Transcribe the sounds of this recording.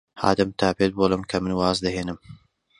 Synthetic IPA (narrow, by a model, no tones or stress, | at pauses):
ha̰ːd̪ɨmt̪ʰaːpet̪̚boːlˠɨmkʰɐmɨnwaːzd̪ɐɦeːnɨm